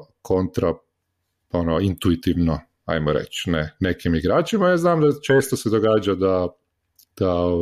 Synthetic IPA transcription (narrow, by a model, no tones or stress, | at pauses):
kʰo̞nt̪ɾa | onoint̪uit̪iʋno | a̰jmoɾḛt͡ʃnene̞kimiɡɾaːt͡ʃimajaːznaːmd̪at͡ʃe̞ːst̪osed̪oɡaːd͡ʒad̪a | d̪̥ao